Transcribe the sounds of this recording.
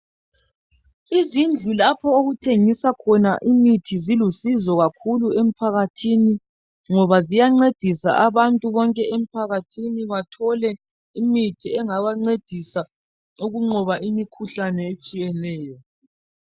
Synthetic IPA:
izind͡ɮʱulapʰɔoɣutʰeŋisakʰɔnaʔimitʰizilusizɔɣakʰuluem̩pʰaɣatʰini | ŋɔβazijaŋ͡ǀed̥ʱisa̰ʔaβantʼuβɔŋkʼɛem̩pʰaɣatʰiniβatʰɔlɛ | imitʰiɛŋaβaŋ͡ǀed̥ʱisa | uɣuŋ͡ǃɔβaʔimikʰuɬanɛet͡ʃʼijɛlɛːjɔ

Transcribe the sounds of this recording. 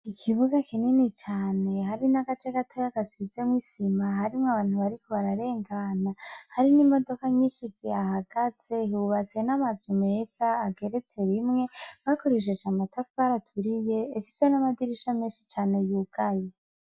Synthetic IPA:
ikʰiβuɡakʰininit͡ʃaːne̞haɾinaɡatekatʰojaɡasizemwisimaɦaɾimŋaβaːnhuβaɾikʰoβaɾaɾe̞ːŋɡanahaɾinimo̞do̞kaɲiʃit͡seahaɡ̥az̥e̞uβat͡senamazume̞z̥aːɡe̞ɾet͡se̞βimŋe̞βakoɾeʃ̬et͡ʃaːmatafuaɾatʰuɾije̞ːfisenamadiɾiʃameːnʃit͡ʃaːne̞juɡ̥aje

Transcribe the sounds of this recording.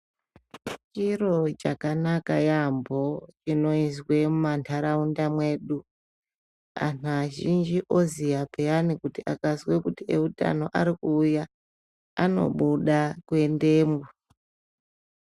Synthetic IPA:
t͡ʃiro̞t͡ʃakanakajambo̞t͡ʃino̞izwe̞mumantʰaɾaundamwe̞ːɗu | a̰naʒind͡ʒiʔo̞zijapʰejanikutiʔakazwekutie̞uta̰no̞ʔaɾikuːja | ano̞̰ɓuɗakwe̞nde̞ːmbo

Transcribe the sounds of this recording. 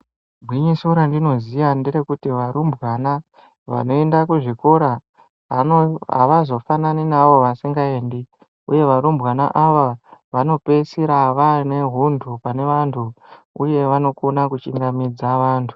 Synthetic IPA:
bʱwiɲisuɾandino̞zijandiɾekutiʋaɾumbwana | ʋa̰no̞endakuʐikoɾa | ɦa̰ʋazo̞fananinaʋo̞ʋasiŋɡaeːndi | ṵje̞ʋaɾumbɣana̰ʔaʋaʋano̞pe̞siɾaʋane̞ɦundʰupane̞ʋantʰu | uje̞ʋano̞konakut͡ʃiŋɡamid͡zaʋaːntʰu̥

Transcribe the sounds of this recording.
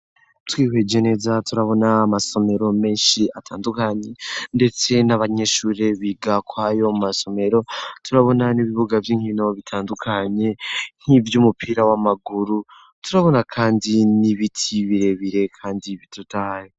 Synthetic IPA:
twiːwe̞ɟe̞ne̞zatuɾaβo̞naːmaso̞me̞ɾo̞me̞ːnʃiatʰaːndukaɲe̞nde̞t͡se̞naβaɲe̞ʃuːɾeβiːɡakwaːjo̞mmaso̞me̞ɾo̞tuɾaβo̞naniβiβuɡavjiːŋ̥hino̞βitʰaːndukʰaɲe̞n̥hivjuːmupʰiːɾawamaɡuɾu | tuɾaβo̞nakʰaːndiniβitʰiβiɾe̞βiɾe̞kʰaːndiβitutajo

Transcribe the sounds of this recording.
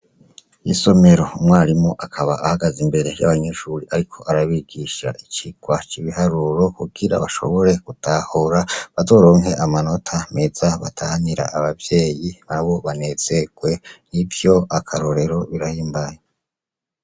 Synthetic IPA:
iso̞me̞ɾo̞umwaːɾimŋoʔakʰaβaʔahaɡazimbeɾe̞ja̰βaɲe̞ʃuɾiʔaɾikʰo̞ʔaɾaβiɡiʃa̰ʔit͡ʃiɡ̥wat͡ʃiβihaɾuɾo̞kuɡiɾa̰βaʃo̞̰βo̞ɾe̞kutʰahoɾaβazo̞ːɾo̞ːŋɦe̞ʔamano̞tʰame̞z̥aβa̰tʰahaniɾa̰ʔaβavje̞ːjiβaɾaβo̞βane̞z̥e̞ɡ̥we̞nivjo̞akʰaɾo̞ɾe̞ɾo̞βiɾahiːmbaje

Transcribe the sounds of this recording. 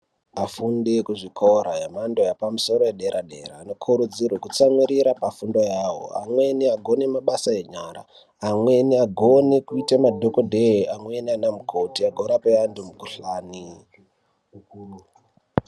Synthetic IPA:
afundekuʐikʰoɾajemando̞japamuso̞ɾojeɗe̞ɾʔaɗe̞̰raːno̞kʰuɾud͡zirwekut͡samwiɾiɾapafundo̞jaɦo̰a̰mwe̞niaɡʱo̞nemaɓasae̞ɲara̰ | amwe̞niaɡʱonekuitamadʱokodʱeamwenianamukʰotiaɡʱoɾapeʋandumukuɬani

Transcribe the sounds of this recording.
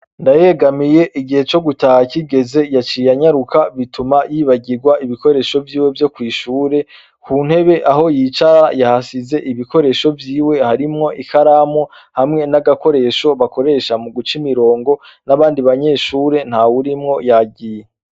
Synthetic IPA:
ndaje̞ɡamije̞ʔiɡihe̞t͡ʃo̞ɡutahaciɡe̞ze̞jat͡ʃijaɲaɾukaβitumajiːβaɟiɾɡwaʔiβiko̞ɾe̞ʃo̞vjiːwe̞vjo̞kwiːʃuːɾe̞ | kʰun̥he̞βe̞ʔaɦo̞jit͡ʃaajahasize̞ʔiβiko̞ɾe̞ʃo̞vjiːwe̞haɾimŋo̞ʔikaɾamo | hamŋe̞naɡako̞ɾe̞ʃo̞βako̞ɾe̞ʃamuɡut͡ʃimiɾo̞ːŋɡo̞ | naβaːndiβaɲe̞ːʃuːɾe̞n̥hawuɾimŋo̞jaɡɟije

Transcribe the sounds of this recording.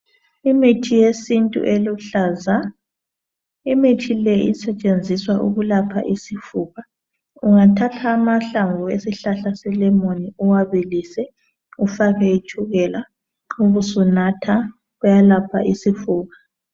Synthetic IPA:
imitʰijesintʼṵʔeluɬaza | imitʰilɛʔḭsɛt͡ʃʼend͡zʱiswaʔṵɣulapʰa̰ʔisifuːɣa | uŋatʰatʰaːmaɬaŋvʱuesiɬaɬasɛlɛmoniuwaβilisɛ | ufaɣɛitʰuɣɛla | uɣusunatʰa | ɣujalapʰa̰ʔisifuːɣa

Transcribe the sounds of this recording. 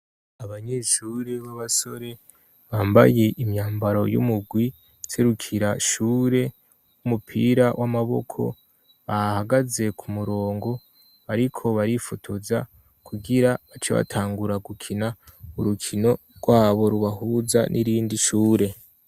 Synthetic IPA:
aβaɲe̞ːʃuːɾe̞βaβaso̞ɾe̞ | βaːmba̰je̞ʔimɲaːmbaɾo̞̰jṵmuɡwi | seɾukʰiɾaʃuːɾe̞ | wumupʰḭɾawʔamaβo̞̰kʰo̞̰ | βahaɡaze̞kʰumuɾo̞ːŋɡo̞ | aɾikʰo̞βaɾifotʰuza | kʰuɡiɾaβat͡ʃeβa̰tʰaːŋɡuɾaɡukʰinauɾukʰino̞ | ɡwaːβo̞ɾuβahuːza̰nʔiɾiːndiʃuːɾe̞

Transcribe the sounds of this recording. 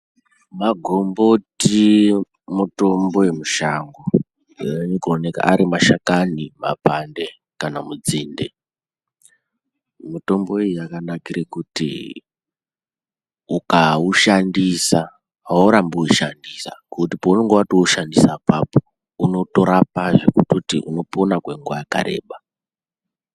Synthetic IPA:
maɡʱo̞mboti | muto̞mbo̞jemuʃaŋɡo | eɲikoneka̰ʔaɾimaʃakanima̰pande | kanamud͡ziːndḛ | muto̞mbo̞ijiakanakiɾekutḭ | ukauʃandisa | wauɾambuiʃandisa̰kutipouneŋɡewatouʃandisapapo̥ | uno̞to̞ɾapaʐekututḭʔuno̞ponakwe̞ŋɡwajaka̰ɾe̞̰ːɓa

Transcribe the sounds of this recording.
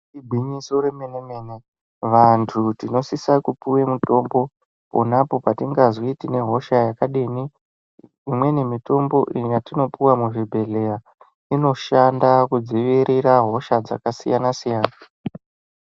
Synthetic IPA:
ibʱiɲisoɾemenemene | ʋantʰutino̞sisakupuwemuto̞mbo̞ | po̰napo̞patiŋɡaziitine̞ɦo̞ʃajakaɗiːni | imwe̞ne̞mito̞mbo̞ʔijatino̞piwamuʐibʱe̞ɮe̞ja | ino̞ʃandakud͡ziʋiɾʔiɾaɦo̞ʃad͡za̰kasḭjanasijaːna

